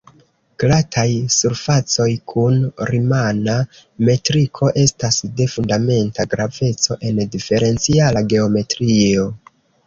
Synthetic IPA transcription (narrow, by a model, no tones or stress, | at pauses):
ɡ̥latʰajsuɾfat͡so̞jkʰunɾimana | me̞tɾikʰo̞ʔe̞stasde̞fundame̞ntaɡɾave̞t͡so̞ʔe̞ndife̞ɾe̞nt͡sialaɡe̞o̞me̞tɾio̞